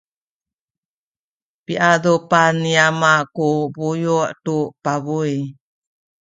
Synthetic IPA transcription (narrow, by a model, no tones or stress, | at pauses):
piʔadupaniamakubujuʔtupaβuj